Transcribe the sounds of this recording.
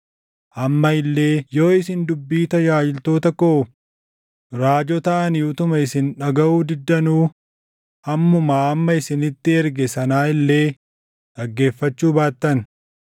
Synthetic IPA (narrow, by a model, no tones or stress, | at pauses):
ʔɐmːɐɪlːe̞ːjo̞ːɪsɪnd̪ʊbːiːt̪ɐjaːd͡ʒɪlt̪o̞ːt̪ɐkoː | ɾaːd͡ʒɔt̪ɐʔɐnɪʊt̪ʊmɐɪsɪnᶑɐɡɐʔuːd̪ɪd̪ːɐnuː | hɐmːʊmaːɐmːɐɪsɪnɪt̪ːɪɛɾɡɛsɐnaːɪlːe̞ː | ᶑɐɡːe̞ːfːɐt͡ʃːuːbaːt̪ːɐn